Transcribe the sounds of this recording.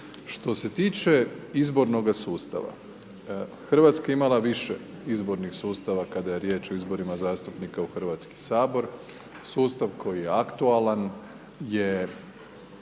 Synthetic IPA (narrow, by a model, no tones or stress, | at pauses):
ʃt̪o̞se̞t̪iːt͡ʃe̞izbo̞ɾno̞ɡasuːst̪a̰ʋa̰ | xr̩ʋat̪skaeimalaʋiʃḛ | izbo̞ɾnixsuːst̪aʋakad̪aje̞ɾjeːt͡ʃoizbo̞ɾimazaːst̪upnikauxr̩ʋaːt̪ski̥saːbo̞ɾ | suːst̪aʋkʰo̞jijeakt̪ualan | je